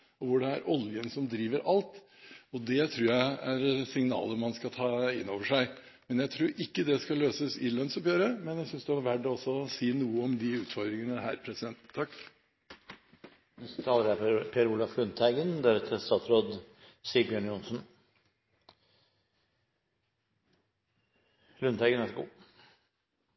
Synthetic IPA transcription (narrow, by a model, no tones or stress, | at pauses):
ɔʋʊɖɛæɾʔɔljənsɔmd̪ɾiːʋəɾʔɑlt̪ | ɔd̪ɛt̪ʰɾuːɾjæɪæɾsɪŋnɑ̰ːləmɑnskɑt̪ʰɑːɪnːoːʋəʂæɪ | mɛnjæɪt̪ʰɾuːɾɪkːəd̪ɛskɑløːsəsɪlœnsɔpjøːɾəmɛnjæɪsʏnsd̪ɛʋɑɾʋæɖɔsːɔsiːnuːəɔmd̪ɪʉːt̪fɔɾd̪ɾɪŋənəɦæːɾpʰɾɛsɪd̪ɛnt̪t̪ʰːɑkː | t̪ʰɑːləɾæpʰɛɾuːlɑflʉnt̪ʰæɪɡənd̪æɾt̪ʰɛst̪ɑːt̪sɾoːd̪siːbɪɑnjʊnsn | lʉnt̪ʰæɪɡənæʂɡṵː